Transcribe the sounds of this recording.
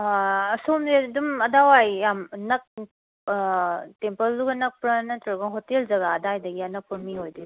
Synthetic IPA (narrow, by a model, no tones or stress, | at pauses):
ɐsomdidumɐdawajjamnɐk̚ | tempɐlːuɡɐnɐk̚pɾɐnɐtɾɐɡɐɦotelzɐɡaːdajdɐɡiɐnɐk̚pʰoɾmiɦojdi